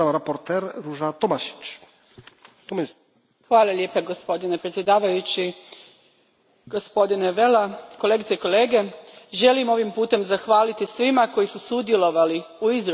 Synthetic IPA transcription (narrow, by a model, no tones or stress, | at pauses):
amɾapoɾt̪ɛɾɾuʐat̪ɔmaʃi̥t͡ʃ | t̪ɔm | xʋaːlˠalʲje̞paɡo̞spo̞d̪inepɾet̪sje̞d̪aːʋajut͡ɕi | ɡ̥ospo̞d̪ineʋelako̞leɡit̪seiko̞le̞ːɡe̞ʒe̞limo̞ʋimpuːt̪e̞mzaxʋaːlit̪isʋimako̞jisusud̪je̞lo̞ʋaliuiz